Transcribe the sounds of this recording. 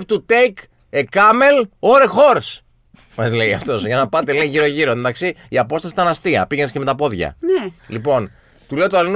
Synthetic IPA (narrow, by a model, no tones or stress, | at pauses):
ft̪ut̪ejk | ekɐme̞loɾexo̞ɾs | mɐzle̞jɐ̰ft̪o̞sʝɐnɐpɐt̪eleiʝiɾo̞ʝiɾo̞end̪ɐksi | iɐpo̞st̪ɐsi̥t̪ɐnɐst̪iɐ̰piʝenesceme̞t̪ɐpo̞ðʝɐ̰nelipo̞n | t̪ule̞ot̪oɐlin